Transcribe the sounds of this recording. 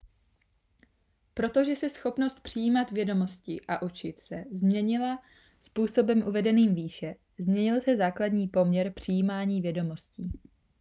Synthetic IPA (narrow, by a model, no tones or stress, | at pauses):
pɾo̞t̪o̞ʒɛsɛsxo̞pno̞st̪̚pr̝̥ɪjiːmat̪vjɛdo̞mo̞scɪʔaʔut͡ʃɪt̪sɛzmɲɛɲɪla | spuːso̞bɛmʔuvɛdɛniːmviːʃɛ | zmɲɛɲɪlsɛzaːkladɲiːpo̞mɲɛɾpr̝̥ɪjiːmaːɲiːvjɛdo̞mo̞sciː